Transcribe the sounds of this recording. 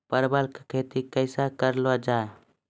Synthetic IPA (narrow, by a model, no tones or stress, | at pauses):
pəɾbəlkekʰet̪ikəɪsakəɾlad͡ʒae